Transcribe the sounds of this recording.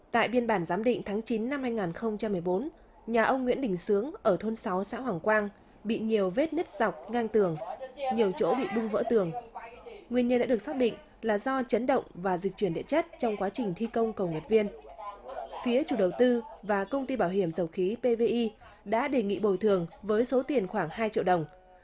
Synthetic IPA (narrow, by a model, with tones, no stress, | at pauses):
t̪a̰ː˧˨jɓi˧ənɓaː˧˩nzaː˨˦mɗḭ̈˧˨ŋ̟t̪ʰaː˨˦ŋt͡ɕi˨˦nːa˧mhaː˧jŋaː˨˩nxə˧wŋ͡mt͡ɕa˧mːɨ˨˩əjɓo˨˦n | ɲaː˨˩ʔə˧wŋ͡mŋwḭ˧˥ənɗï˨˩ŋ̟sɨ˨˦əŋʔəː˧˩t̪ʰo˧nsa˨˦wsa̰ː˧˥waː˨˩ŋkwaː˧n | ɓḭ˧˨ɲi˨˩əwve˦˥t̚ɲə˦˥t̚z̥a˨˩wk͡p̚ŋaː˧ŋt̪ɨ˨˩əŋɲi˨˩əwt͡ɕo̰˧˥ɓḭ˧˨ɓʊ˧ŋ͡mvə̰˧˥t̪ɨ˨˩əŋ | ŋwi˧˩ənɲə˧nɗa̰ː˧˥ɗə˩ksa˦˥ɗḭ˧˨ŋ̟ | laː˨˩zɔ˧t͡ɕə˨˦nɗə̰˧˨wŋ͡mvaː˨˩zï˨˩k̚t͡ɕwi˧˩ənɗḭ˧˨ət͡ɕə˦˥t̚t͡ɕɔ˧wŋ͡mkwaː˨˦t͡ɕï˨˩ŋ̟t̪ʰi˧kə˧wŋ͡mkə˨˩wŋə˨˩t̚vi˧ən | fi˨˦ət͡ɕu˧˩ɗə˨˩wt̪ɨ˧vaː˨˩kə˧wŋ͡mt̪i˧ɓaː˧˩wɦi˧˩əmzə˨˩wxi˨˦pe˧ve˧ʔi˧ | ɗa̰ː˧˥ɗe˨˩ŋḭ˧˨ɓo˨˩jt̪ʰɨ˨˩əŋvəː˨˦jso˨˦t̪i˨˩ənxwaː˧˩ŋhaː˧jt͡ɕḭ˧˨wɗə˨˩wŋ͡m